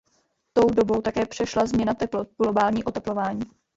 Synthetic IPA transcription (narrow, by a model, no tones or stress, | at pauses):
t̪o̞wdo̞bo̞wt̪akɛːpr̝̥ɛʃlazmɲɛnat̪ɛplot̪̚ɡlo̞baːlɲiːʔo̞t̪ɛplo̞vaːɲiː